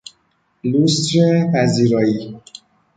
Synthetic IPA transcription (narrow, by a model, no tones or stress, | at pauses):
lust̪ɾepæziɾɒːi